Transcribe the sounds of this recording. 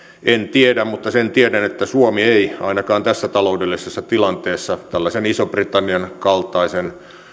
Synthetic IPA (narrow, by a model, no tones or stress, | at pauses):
ʔent̪iedæmmut̪ːɑsent̪iedænet̪ːæsuomieiɑ̰inɑkɑːnt̪æsːæt̪ɑloudelːisesːɑt̪ilɑnt̪eːsːɑt̪ælːɑsenisobrit̪ɑnːiɑnkɑlt̪ɑisen